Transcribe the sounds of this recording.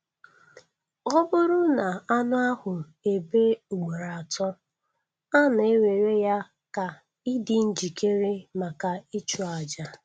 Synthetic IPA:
ɔ˦bʊ˦ɾʊ˦na˨a˦nʊ˦a˦hʊ˨ | e˨be˦u˨ɡ͡be˨ɾa˨tɔ˦ | a˦na˨e˦we˨ɾe˦ja˦ | ka˨ | i˦dɪ˦n̩˦d͡ʒi˨ke˦ɾe˦ma˨ka˨i˦t͡ʃu˨a˨d͡ʒa˦

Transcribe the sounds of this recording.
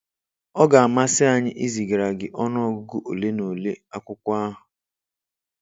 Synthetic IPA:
ɔ˦ɡa˨a˨ma˦sɪ˦a˨ɲɪ˦ʔi˦zi˨ɡɾa˨ɡɪ˨ʔɔ˦nɔ˦ɡʊ˦ɡʊ˦ʔo˨le˦no˨le˦a˦kʷʊ˦kʷa˦ɦʊ˨

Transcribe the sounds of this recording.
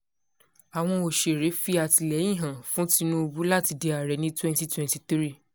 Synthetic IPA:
a˨w̃ɔ̃˧o˨ʃe˨ɾe˨˦fi˦a˨ti˧lɛ˨˦ĩ˦˨ɦã˨fũ˨˦ti˧nũ˦o˧bu˦la˦˨ti˧de˧a˨ɾɛ˨˦nĩ˦twɛ̃˦nti˦twɛ̃˧nti˧tɾi˦˨

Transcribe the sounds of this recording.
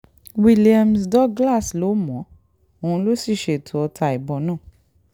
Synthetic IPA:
wi˧li˨a˧msdɔ˦ɡla˦˨slo˨˦mɔ̃˨˦ | o˨hũ˧lo˦si˦˨ʃe˨tʰu˨˦ɔ˧tʰa˧˨i˨bɔ˧˦nãː˦˨

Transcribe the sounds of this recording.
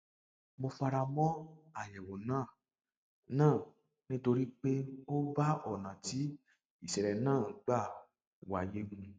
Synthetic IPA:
mo˧fa˧ɾa˧mɔ̃˦a˨jɛ˨wo˨nãː˦˨ | nãː˦˨ | nĩ˦to˧ɾi˦k͡pe˦o˦ba˦ɔ˦˨nã˨ti˨˦ | i˦˨sɛ˨ɾɛ˨nãː˦˨˦ɡ͡ba˦˨ | wa˨je˦ɡũ˧

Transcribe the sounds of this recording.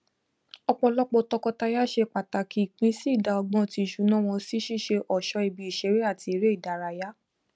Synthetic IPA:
ɔ˧k͡pɔ˧lɔ˦k͡pɔ˧tɔ˧kɔ˧ta˧ja˦ʃe˧k͡pa˨ta˨kʰi˨˦˨k͡pĩ˦si˦i˦˨da˧ɔ˧ɡ͡bɔ̃˧ti˧˨ʃu˨˦nã˦w̃ɔ̃˧si˦ʃi˦˨ʃe˧ʔɔ˨ʃɔ˧˦i˧bi˧i˨ʃe˨˦ɾe˦a˦˨ti˧˦ɾe˦i˦˨da˨˦ɾa˧˨ja˦

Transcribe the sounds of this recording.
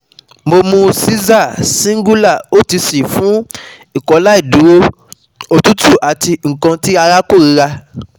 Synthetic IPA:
mo˧mũ˧si˦za˦˨sĩ˦ɡu˦la˦˨o˦ti˧si˨fũ˦ | i˦˨kɔ˨˦la˦i˦˨dũ˨˦ɾo˦ | o˨tu˦tu˦˨ʔa˨ti˧ŋ̩˨kã˧ti˦a˧ɾa˦ko˦˨ɾi˨˦ɾa˧

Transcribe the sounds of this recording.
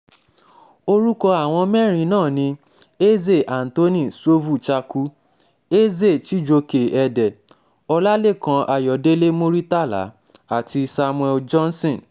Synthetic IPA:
o˧ɾu˦kɔ˧a˨w̃ɔ̃˧mɛ˦˨ɾ̃ĩ˧nãː˦˨nĩ˧ | e˦ze˦˨ʔa˨n̩˨to˦nĩ˦˨so˦vu˦˨t͡ʃa˧ku˦ | e˦ze˦˨t͡ʃi˦d͡ʒo˧ke˨ɛ˧dɛ˨ | ɔ˧la˦le˦˨kã˧ʔa˧jɔ˨de˦le˦mo˦ɾi˦ta˦˨la̰˨˦ | a˦˨tʰi˧sa˧mũ˧ɛ˧d͡ʒɔ̃˦n˦sĩ˦˨n

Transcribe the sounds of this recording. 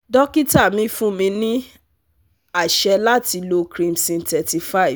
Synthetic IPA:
dɔ˦ki˦ta˦˨mĩ˧˦fũ˦mĩ˧nĩ˦ | a˦˨ʃɛ˧la˦ti˧lo˧kɾĩ˧msĩ˧ntɛ˨ti˧fa˦˨i˨v

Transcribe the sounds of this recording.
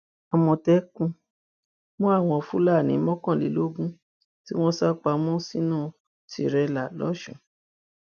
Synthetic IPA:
a˨mɔ̃˧tɛ˨˦kũ˧ | mɔ̃˦a˦˨w̃ɔ̃˧fũ˦la˦˨nĩ˨˦mɔ̃˦kã˦˨lḭ˨˦lo˦ɡũ˦ | ti˦w̃ɔ̃˦sa˦k͡pa˧˦mɔ̃˦si˦nãː˦˨ | ti˧ɾɛ˧la˨lɔ̰˦ʃṵ̃˦˨

